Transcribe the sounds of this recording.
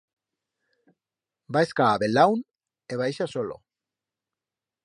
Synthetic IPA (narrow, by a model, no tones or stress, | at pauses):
baeskaːβelawn | eβajʃasolo̰